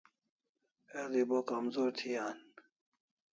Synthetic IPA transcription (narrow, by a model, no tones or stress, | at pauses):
ed̪ibokɐmzoːɾt̪ʰiaːn